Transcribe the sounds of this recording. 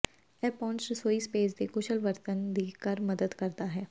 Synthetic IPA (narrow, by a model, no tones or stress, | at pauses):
ɛːpɔːnsəsoːiːspeːzd̪eːkʊʃəlʋəɾt̪ənd̪iːkəɾməd̪əd̪kəɾd̪aːɦɛː